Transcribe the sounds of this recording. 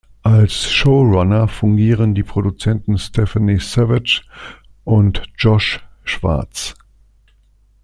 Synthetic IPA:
ʔalsʃoʊʁanɐfʊŋɡiːʁəndiːpʁ̥odut͡sɛntn̩stʰɛfanisɛvɪt͡ʃ | ʔʊntd͡ʒɔʃʃv̥a̰ɐt͡s

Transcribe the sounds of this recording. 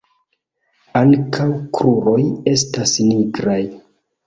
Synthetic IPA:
aŋkʰawkɾuɾo̞je̞stasniɡɾaj

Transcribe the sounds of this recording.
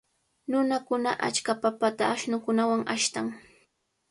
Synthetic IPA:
nʊnakʊnaʔa̰t͡ʃkapapat̪aːʃnʊkʊnawaŋaʃt̪aŋ

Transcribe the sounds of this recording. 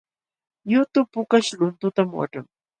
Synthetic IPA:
jʊt̪ʊpʊkaʃlʊnt̪ʊt̪amwa̰ʈ͡ʂa̰ŋ

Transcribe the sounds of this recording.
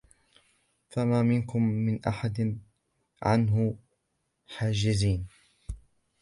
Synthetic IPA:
famaːmɪnkʊmːɪnʔa̰ħad̪ɪ | ʕa̰nɦʊ | ħaːd͡ʒɪziːn

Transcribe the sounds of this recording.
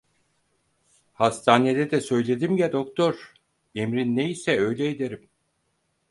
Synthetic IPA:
hast̪ʰaːned̪ɛd̪ɛsø̞jlʲe̞d̪imɟɛd̪okt̪ʰo̞ɾ | emɾinːejisɛø̞jlʲɛed̪eɾim

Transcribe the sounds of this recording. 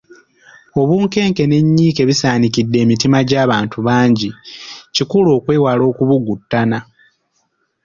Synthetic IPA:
o̞βuːŋke̞ːŋke̞ne̞ɲːiːke̞βisaːnikidːe̞ːmitimaɟaːβaːntuβaːɲɟicikulo̞ːkwe̞ːwalo̞ːkuβuɡutːana

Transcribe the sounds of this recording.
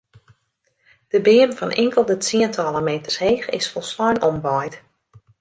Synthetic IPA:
d̥əbɪəmfɔnʔɪŋkəlˠdətiəntʰɔlˠəmeːtərsheːxɪ̰sfɔlˠslɔjnɔmʋɔjt

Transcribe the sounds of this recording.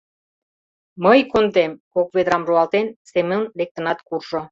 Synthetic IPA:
məjkont̪emkokβed̪ɾɑmruɑlt̪ensemənlek̚t̪ə̆nɑt̪kurʒo

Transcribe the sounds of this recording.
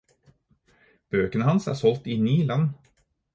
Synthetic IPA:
b̥øːkənhansæ̰ɾʂɔlt̪ɪniːlanː

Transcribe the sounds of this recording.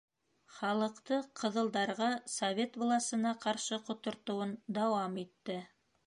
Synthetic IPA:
χɑlˠɤ̆qt̪ɤqʰɤ̆ðɤ̆lˠd̪ɑɾʁɑsɐvʲe̞t̪bolˠɑsɤ̆nɑqɑɾʃɤqŏt̪ŏɾt̪ŏwɤnd̪ɑwɑmit̪ːɘ

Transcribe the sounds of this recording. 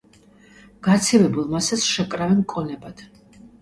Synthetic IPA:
ɡ̥at̪sʰivɛbulˠmasasʃɛkʼɾavɛnkʼɔnɛbad̪̥

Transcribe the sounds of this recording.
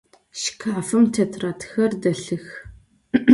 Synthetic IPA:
ʃkʰaːfɨmtʰetʰraːtʰxɐrdɐɬɨx

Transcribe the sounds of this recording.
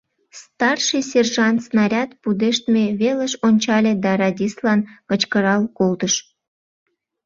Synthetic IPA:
st̪ɑrʃɨjsʲerʒɑnt̪snɑɾʲɑt̪̚pud̪eʃt̪meβeləʃonʲt͡ɕɑlʲed̪ɑɾɑdʲislɑnkət͡ɕkəɾɑlkolt̪əʃ

